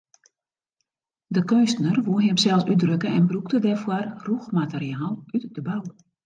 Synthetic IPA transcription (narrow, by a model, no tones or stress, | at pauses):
dəkøːstənərʋuəɦɪmsɛlˠsydrøkəɛnbruktədɛrfwɔrruxmateriaːlˠytdəbaw